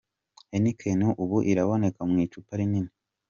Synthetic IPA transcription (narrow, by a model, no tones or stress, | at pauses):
enikʰenuʔuβuʔiɾaβo̞ne̞kamŋiːt͡ʃupaɾiɲine